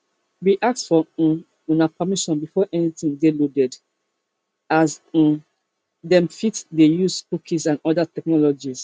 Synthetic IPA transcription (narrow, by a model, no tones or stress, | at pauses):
wiʔak̚tfɔ̃ | unapamiʃɔ̃nbifɔʔɛnit̪ĩŋdelodɛd | az̩ | dɛ̃mfitdejuzkukʰisãnɔdatɛk̚nɔlɔd͡ʒis